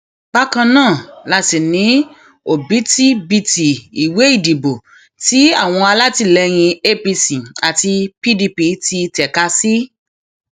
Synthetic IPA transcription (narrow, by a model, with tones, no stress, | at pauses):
ba˦kã˧nãː˦˨la˧ti˨nĩ˨˦ | o˨bi˨˦ti˦bi˧ti˨i˨we˨˦i˦˨di˨bo˨ | ti˨˦a˦˨w̃ɔ̃˧a˧la˦ti˧˨lɛ˧j̃ĩ˧e˦pi˧sĩ˨a˨ti˧pi˦di˧pi˧ti˧tɛ˨ka˧si˦